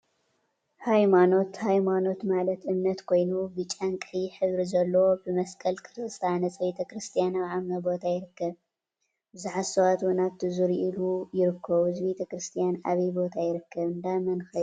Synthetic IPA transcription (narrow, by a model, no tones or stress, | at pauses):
hajmano̞t̪hajmano̞t̪malɐt̪ʔɨmnɐt̪kʰo̞jnubɨt͡ʃʼankʼɨjiħɨβɾizɐlːɐwobɨmɐskʰʼɐlkʰɨɾɨst̪ʰanɐsbet̪ʰɐkɾɨst̪ʰijanaβʕamnɐbo̞t̪ʰajɪɾɨkːɐβ | bɨzuħasɐwat̪wunaβt̪ʰizuɾiʔilujɪɾɨkʰːɐβuhɨzbet̪ʰɐkɾɨst̪ʰijana̰βɐjbo̞t̪ʰajɪɾɨkːɐβɨnd̪amɐnxɐ